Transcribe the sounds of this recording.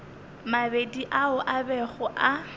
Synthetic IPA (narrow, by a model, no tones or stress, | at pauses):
mabediʔaʊʔabɛχʊʔa